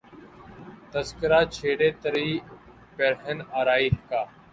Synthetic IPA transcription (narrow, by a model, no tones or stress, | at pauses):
t̪əzkəɾaːt͡ʃʰeːɽeːt̪əɾiː | peɾɦənaːɾaːiːɦkaː